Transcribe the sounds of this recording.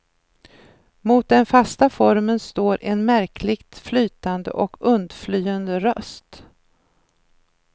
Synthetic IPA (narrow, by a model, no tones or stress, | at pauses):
muːt̪̚d̪ɛnfast̪afɔɾmənst̪oːɾʔɛnmæɾkʰlɪɡt̪flyːt̪and̪ə̰ʔɔkɵnd̪flyːand̪əɾœst̪